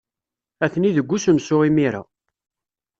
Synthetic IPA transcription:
æθniðəɡʷːusəmsʊʁimiɾa̰

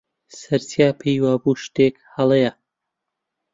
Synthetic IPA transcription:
sɐɾsijaːpʰejwaːbuːʃt̪eːkhɐlˠeja

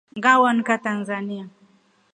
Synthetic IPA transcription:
ŋɡawɔnkatanzania

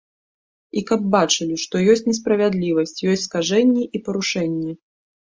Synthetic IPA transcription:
ikɐb̚bat͡ʂɨlʲiʂt̪ɔjɔsʲt͡sʲnʲɛs̬pɾɐvʲad̪lʲivɐsʲt͡sʲjɔsʲtʲskaʐɛnʲːɛʔipɐɾuʂɛnʲːɛ

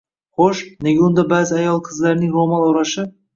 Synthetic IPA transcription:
χoʃneɡʲaʊnd̪abaːzɪajɒlˠqʰɨzlaɾnɪŋɾomanˠoɾaʃɪ

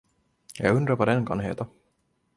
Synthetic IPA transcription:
jɑ̰ɡɵnd̪ɾaɾvad̪ɛnkʰa̰nɦḛːt̪a

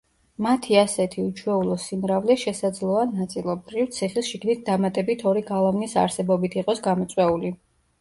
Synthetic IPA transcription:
mat̪ʰiasɛt̪ʰiut͡ʃʰwɛulˠɔsimɾavlɛʃɛsad̪zlˠɔanat̪sʼilˠɔb̚d̪ɾift̪sʰiχisʃiɡnit̪̚ʰd̪amat̪ʼɛbit̪ʰɔɾiɡalˠavnisa̰ɾsɛbɔbit̪ʰiqʼɔsɡamɔt̪sʼwɛuli

